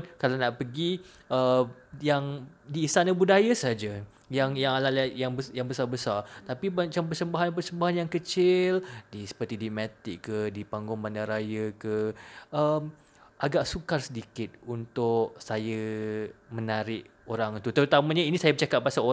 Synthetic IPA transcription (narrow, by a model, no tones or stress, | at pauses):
nkalanaʔpəɡi | əjaŋdiːst̪anəbudajasəɦad͡ʒa | jaŋjaŋalalajaŋbəjaŋbəsarbəsart̪apimat͡ʃampərsəmbaɦanpərsəmbaɦanjaŋkət͡ʃɪldisə̥pərt̪idimat̪ɪkkːədipaŋɡʊŋbandaɾajəkəʔəm | ʔaɡaʔsukarsədikɪt̪̚unt̪ʊʔsajə | mə̃naɾɪʔ | oɾaŋt̪ut̪əɾut̪amãɲainĩsajabət͡ʃakap̪̚basao